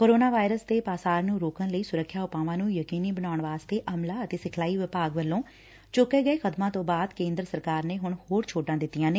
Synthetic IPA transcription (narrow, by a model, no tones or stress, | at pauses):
koːɾoːnaːʋaːɪɾəst̪eːpaːsaːɾnũːɾoːkənləiːsʊɾəkʰːjaːʊpãːʋãːnũːjəkiːniːbənaːʊɳʋaːst̪eːʔəmlaːət̪eːsɪkʰlaːiːʋɪpaːɡʋəlːõː | t͡ʃʊkːeːɡəeːkʰəd̪mãːt̪õːbaːd̪kẽːnd̪ɾəsəɾkaːɾneːɦʊɳhoːɾt͡ʃʰoːʈãːd̪ɪt̪ːijãːneː